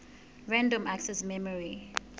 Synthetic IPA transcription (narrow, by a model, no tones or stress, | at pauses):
ɹãndɔ̃maksɛsmɛmɔɹi